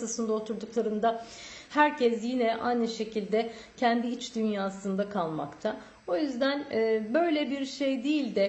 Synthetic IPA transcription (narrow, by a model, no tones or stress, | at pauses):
asɯnd̪aot̪ʰuɾd̪uklˠaɾɯnd̪ahæɾcʰɛs̬jinɛʔa̰jnɯʃe̞cʰilʲd̪ɛ | cʰɛnd̪iit͡ʃd̪ynjaːsɯnd̪akʰalˠma̰kt̪ʰa | o̞jyzd̪ænːbø̞jlʲɛbiɾʃe̞jd̪ijilʲd̪ɛ